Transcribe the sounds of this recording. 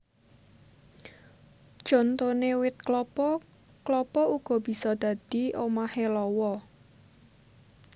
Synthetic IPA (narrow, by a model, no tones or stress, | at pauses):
d̥ʒ̥ɔ̤nt̪onewɪt̪̚klɔpɔ | klɔpɔuɡ̥ɔ̤b̥i̤sɔd̪̥ä̤d̪̥i̤ʔomahelɔwɔ